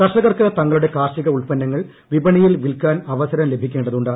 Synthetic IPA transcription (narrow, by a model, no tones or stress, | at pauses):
kɐʂɐɣɐrkɨt̪ɐŋːɐɭuɽe̞kaːrʂiɣɐuɭpɐnːɐŋːɐɭ | ʋibɐɳijilʋilkaːnɐʋɐsɐɾɐmle̞bʱikʲːeːɳɖɐðuɳɖaː